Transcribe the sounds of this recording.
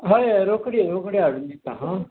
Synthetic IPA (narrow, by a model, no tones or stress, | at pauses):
ɦajɾokɽiɾokɽiaɽund̪it̪aɦã